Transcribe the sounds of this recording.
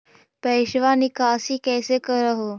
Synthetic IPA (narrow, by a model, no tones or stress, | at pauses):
pəjɕʋanikasiːkɛjsekəɾəɦo